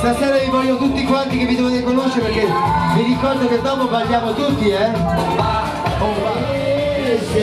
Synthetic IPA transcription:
st̪asɛɾavivɔljot̪ut̪ːikwãnt̪ikevid̪evoðekonoʃeɾpeɾkemiɾikɔɾd̪oked̪ɔpobaʒjamot̪ut̪ːiɛ

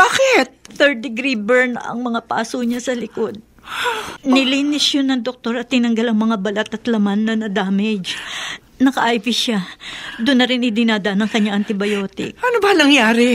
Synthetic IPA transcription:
baːkɪt̪̚θɛɹ̚d̪ɪɡɾibɛɹnʔɐ̰ŋmɐŋapa̰ːsoɲasɐlɪkod̪̚ | nɪliːnɪsjonɐŋd̪ok̚t̪o̞ɾɐt̪ːɪnɐŋɡɐlɐŋmɐŋabɐlat̪ɐt̪lɐmanːɐnɐd̪aːmɛd͡ʒ | nɐkɐʔajvɪʃad̪ʊnːɐɾɪnʔɪd̪ɪnaːd̪ɐʔanɐŋkɐɲːaŋʔɐnt̪ɪbɐjoːt̪ɪ̰k̚ʔɐnobɐnɐŋjaːɾɪ

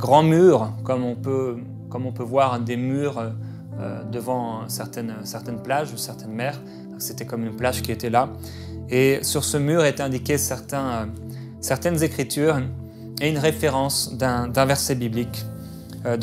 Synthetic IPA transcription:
ɡʁɑ̃myːʁkɔmɔ̃pø | kɔmɔ̃pøvwaʁd̪emyːʁø | ø̰d̪əvɑ̃sɛʁt̪ɛnøsɛʁt̪ɛnplaʒusɛʁt̪ɛnmɛːʁ | pakset̪ɛkɔmynplaʒkʲiet̪ɛla | esyʁsəmyʁet̪ɛ̃d̪ikʲesɛʁt̪ɛ̃ø | sɛʁt̪ɛnzekχit̪yːʁ | eynʁefeʁɑ̃sd̪ɛ̃d̪ɛ̃vɛʁsɛbiblik | ød̪

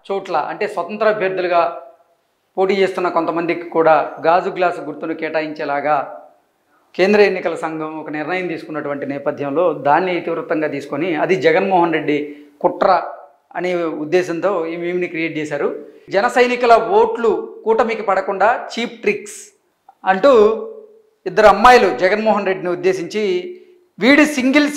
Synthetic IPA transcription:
t͡ʃuːʈlɐ̰ʔɐ̰ɳʈe̞ːsʋɐt̪ɐnt̪ɾɐːbʱjɐɾd̪ʱːuluɡaː | poːʈiːt͡ʃe̞ːst̪unːɐko̞nt̪ɐmɐnd̪ikikuːɽaːɡaːd͡ʒuɡlaːsɡuɾt̪unukɛːʈaːjiɲt͡ʃɛːlaːɡaː | ke̞ːnd̪ɾɐenːikɐlɐsɐŋɡʱɐmɔkɐnɪɾnɐjɐmt̪iːsu̥kunːɐʈuʋɐɳʈinɛːpɐd̪ʱjɐmlo̞ːd̪aːnːiet̪iʋɾɐt̪ɐŋɡaːt̪iːsu̥koniɐd̪id͡ʒɛɡɐnmɔːɦɐnɾe̞ɖːi | kuʈɾɐ | ɐneːud̪ːɛːsɐnt̪o̞ːimiːmnikɾijeːʈ̚t͡ʃɛːsaːɾud͡ʒɛnɐsɐjnikulɐʋo̞ːʈlukuːʈɐmikipɐɽɐkuɳɖaːt͡ʃiːp̚ʰʈɾiks | ɐɳʈu | id̪ːɐɾuɐmːaːjɐlud͡ʒɛɡɐnmɔːɦɐnɾe̞ɖniud̪ːeːsiɲt͡ʃi | ʋiːɽsiŋɡels

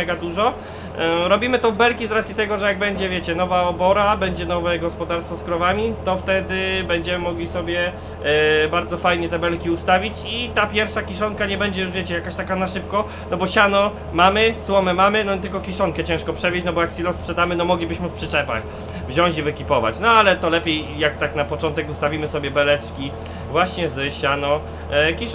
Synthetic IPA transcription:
ɛɡad̪uʐɔ | ɾɔbʲimɘt̪ɔvbɛlkʲizɾat̪sʲjit̪ɛɡɔʐɛjaɡbɛɲd͡ʑɛvʲjɛt͡ɕɛnɔvaɔbɔɾabɛɲd͡ʑɛnɔvɛɡɔspɔd̪aɾst̪fɔskɾɔvamʲit̪ɔft̪ɛd̪ɘbɛɲd͡ʑɛmɘmɔɡlʲisɔbʲjɛ | baɾd̪zɔfajɲɛt̪ɛbɛlkʲiust̪avʲit͡ɕit̪apʲjɛɾfʂakʲiʂ̬ɔŋkaɲɛbɛɲd͡ʑɛjuʐvʲet͡ɕɛjakaɕt̪akanaʂɘpkɔ | nɔbɔɕanɔ | mamɘswɔmɛmamɘnɔt̪ɘlkɔkʲiʂɔŋkɛt͡ɕɛ̃ʂkɔpʂɛvʲjɛt͡ɕnɔbɔjaksʲilɔ̃spʂɛd̪amɘnɔmɔɡlʲibɘɕmpʂɘt͡ʂɛpa̰t͡ɕ | vʑɔ̃w̃t͡ɕivɘkʲipɔva̰t͡ɕnɔalɛt̪ɔlɛpʲejjak̚t̪aknapɔt͡ʂɔnt̪ɛkust̪avʲimɘsɔbʲjɛbɛlɛskʲi | vwaɕɲɛzɕanɔ | kʲiʂ

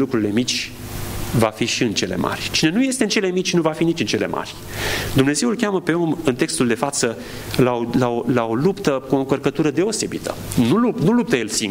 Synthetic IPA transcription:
lukɾuɾile̞mit͡ʃʲ | vafiʃiɨnt͡ʃe̞le̞̰mʔa̰rʲt͡ʃine̞nuje̞st̪eɨnt͡ʃe̞le̞mit͡ʃʲnuvafinit͡ʃɨnt͡ʃe̞le̞̰mʔa̰rʲ | d̪umne̞ze̞wulkʲaməpe̞o̞mɨnt̪e̞kst̪uld̪e̞fat̪sə | lalaolao̞lupt̪əkuoŋkərkət̪uɾəd̪e̞o̞se̞bit̪ʰə̰nulupnulup̚t̪əje̞lsiŋ

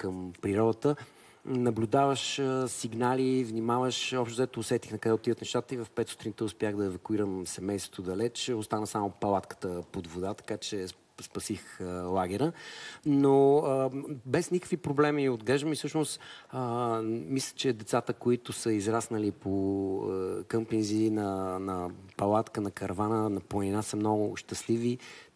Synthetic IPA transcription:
kəmpɾiɾɔd̪ət̪ə | nɐblʲʊd̪avəʃsiɡnalivnimavəʃɔpʃt̪ʊzɛt̪ʊːsɛt̪ixnɐkəd̪ɛot̪id̪ət̪nɛʃt̪at̪əivɐfpɛt̪su̥t̪ɾint̪ɛʊspjaɣd̪ɐɛvɐkʊiɾəmsɛmɛjst̪vot̪od̪ɐlɛt͡ʃost̪anəsamʊpɐlˠat̪kə̥t̪əpod̪vod̪at̪ɐ̥kat͡ʃɛ | spɐsixlˠaɡ̟ɛɾənoəbɛsnikə̥kvipɾoblɛmiod̪ɡlɛʒd̪əmifsɤʃnost̪əmislʲə̥t͡ʃɛd̪ɛt̪sat̪əkoit̪ʊsəizɾasnəlipʰoəkəmpinzinɐnɐpɐlˠat̪kənɐkɐɾvanənɐplˠɐninasəmnɔɡʊʃt̪əslivi

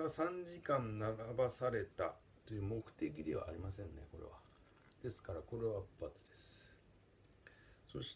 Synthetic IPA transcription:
ɡasãɲ̟d͡ʑikãnnaɾabasaɾe̞t̪a̰ | t̪o̞jɯ̟ːmo̞kɯ̟̥t̪e̞kʲid̪e̞βa̰ːɾʲimas̬ẽ̞nne̞̰ko̞ɾḛβ̞a | d̪̥e̞sɨ̥kaɾako̞ɾe̞βabɯpːat͡sɨ̥d̪e̞sɨɨ̥ | so̞ɕi̥

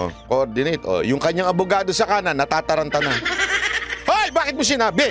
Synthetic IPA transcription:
o̰koʔoɾd̪ɪnɛjt̪ʔo̰jʊŋkɐɲːaŋɐbʊɡaːd̪o̞sɐkaːnɐnɐt̪aːt̪ɐɾɐnt̪ɐna | hojbaːkɪt̪̚mʊs̬ɪnaːbɪ

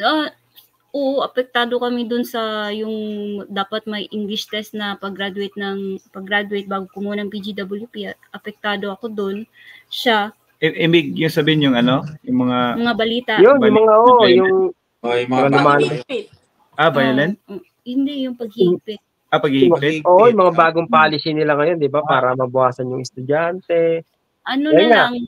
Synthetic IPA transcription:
a | ʔoʔʔɐpɛk̚t̪aːd̪o̞kɐmɛd̪onsɐjʊŋd̪aːpɐt̪̚mɐjʔɪŋɡlɪst̪ɛst̪nɐpɐɡɾad̪ʊejt̪̚nɐŋpɐɡɾad̪ʊejt̪̚baːɡokʊmuɐnɐŋpid͡ʒid̪ɐbɐljupiʔɐt̪̚ʔɐpɛk̚t̪aːd̪o̞ɐko̞d̪on | ʃa | ʔɛʔɪmɪɡ̚jʊŋsɐbɪɪnjʊŋɐnojʊŋmɐŋamɐŋabɐliːt̪ajonjʊmɐŋaʔoʔjʊŋ | mɐŋalʊmaːnopɪt̪̚ | ʔabajɐlɛnʔo | hɪnd̪ɛjʊŋpɐɡ̚hɪipɪt̪̚ | apɐɡɪmɪʔoːʔʔojʊmɐŋabaːɡoŋpaːlɪsinɪlaŋɐjo̞nd̪ɪbapaːɾɐmɐbʊʔaːsɐnjʊŋɛst̪ʊd͡ʒant̪ɛ | ʔɐnojalŋaŋ

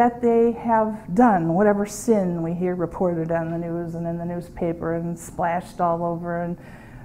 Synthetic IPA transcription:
ðɨt̪̚ðeɪəvdʌ̃nwʌɾɛvə˞sɪ̃nwiɦiɹɹɨpʰɔɹɾɨɾn̩ðɨnʉzə̃nɨ̃nðɨnʉz̥pʰeɪpə˞ɨ̃nsplæʃtɔlˠoʊvə˞ɨ̃n

